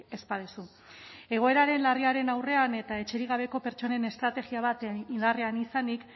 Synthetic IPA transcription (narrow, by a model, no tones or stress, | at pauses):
e̞spaðusu | e̞ɣ̞o̞e̞ɾaɾe̞nlariaɾe̞nawre̞ane̞t̪ae̞t͡ʃe̞ɾiɣaβe̞ko̞pe̞ɾt͡ʃo̞ne̞ne̞st̪ɾat̪e̞ɣiaβ̞at̪ind̪arianisanik